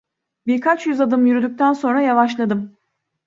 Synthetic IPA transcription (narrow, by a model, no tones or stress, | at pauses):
biɾkʰat͡ʃjyzad̪ɯmjyɾyd̪yc̚t̪ʰænso̞nɾajavaʃlˠad̪ɯm